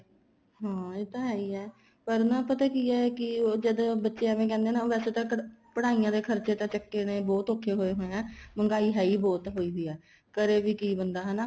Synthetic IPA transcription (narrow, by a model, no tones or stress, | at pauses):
ɦãːet̪ãːɦɛːiːɛː | pəɾnãːpət̪aːkiːɛːkɪod͡ʒəd̪bətːʃeɛmẽːkɛ̃ːnd̪eːnãːʋɛːseːt̪ãːkpəɽaːiːãːd̪eːkʰəɾt͡ʃeːt̪ãːt͡ʃəkːeːneːbɔːt̪oːkʰːeːɦoːeːɦoːeɛ̃ːməŋɡaːiːɦɛːiːbɔːt̪ɦoːiːɦiːɛː | kəɾeːʋiːkiːbənd̪aːɦɛ̃ːnaː